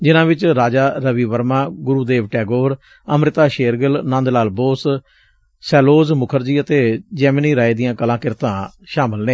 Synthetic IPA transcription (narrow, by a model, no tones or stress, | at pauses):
d͡ʒɪnãːʋɪt͡ʃɾaːd͡ʒaːɾəʋiːʋəɾmãːɡʊɾuːd̪eːʋʈɛːɡoːɾ | əmɾɪt̪aːʃeːɾɡəlnãːnd̪laːlboːs | sɛːloːzmʊkʰəɾd͡ʒiːət̪eːd͡ʒɛːmniːɾaːed̪ɪjãːkəlãːkɪɾt̪ãː | ʃaːmɪlneː